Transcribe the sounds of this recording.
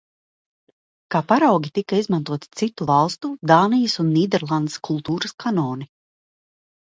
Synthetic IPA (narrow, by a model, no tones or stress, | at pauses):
kaːpaɾawɡʲit̪ikaizmant̪uɔt̪i̥t̪sit̪ːuvalˠst̪ud̪aːnijɐsunːiːd̪ɛɾlˠand̪e̥skʰulˠt̪uːɾəskʰanɔːni